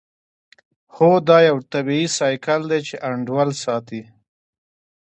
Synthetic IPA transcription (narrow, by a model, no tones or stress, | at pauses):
hod̪ɑjawt̪abiisɑjkald̪et͡ʃeʔaɳɖwalsɑt̪i